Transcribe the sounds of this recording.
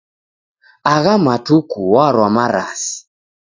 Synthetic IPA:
aɣamatukuwaɾwamaɾasi̥

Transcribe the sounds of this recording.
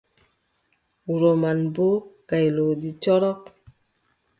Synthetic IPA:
uɾomanbokajlodit͡ʃɔɾɔk

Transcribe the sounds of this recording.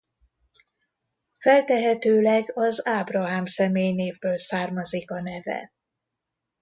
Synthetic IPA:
fɛlt̪ɛɦɛt̪øːlɛɡɒzaːbrɒɦaːmsɛmeːjneːvbøːlsaːrmɒzikɒnɛvɛ̰

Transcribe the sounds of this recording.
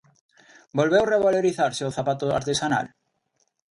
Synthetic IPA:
bolβewreβaloɾiθaɾseoθapat̪oa̰ɾt̪esana̰l

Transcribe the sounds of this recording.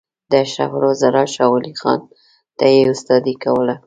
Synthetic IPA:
d̪əʃa̰hɾazaɾɑʃɑwʊlixɑ̰n | t̪ajeʊst̪ɑd̪ikawəla

